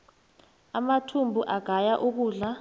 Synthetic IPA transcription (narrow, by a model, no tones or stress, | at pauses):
amatʰumbʱuʔaɡ̥ʱajaʔuk̬uːɮa